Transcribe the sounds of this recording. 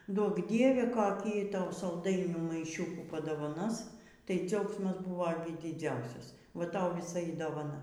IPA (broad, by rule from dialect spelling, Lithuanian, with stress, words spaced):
ˈduɔk ˈdʲiɛʋʲɛ koːˈkʲiː ˈtɐʊ sɐlˠˈdɐɪnʲuː mɐɪˈʃʲʊkuː pɐdoːʋɐˈnoːs tɐɪ ˈd͡zʲɛʊksmɐs ˈbʊʋoː ɡʲɪ dʲɪˈd͡zʲɛʊsʲɛs ˈʋɐ ˈtɐʊ ʋʲiːˈsɐ iː doːʋɐˈnɐ